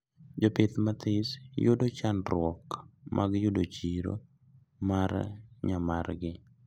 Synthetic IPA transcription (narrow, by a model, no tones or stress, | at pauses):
d͡ʒɔpɪt̪mat̪ɪsjʊdot͡ʃanɾwɔkmʔaɡjʊdot͡ʃiɾo̰ | maɾɲamarɡɪ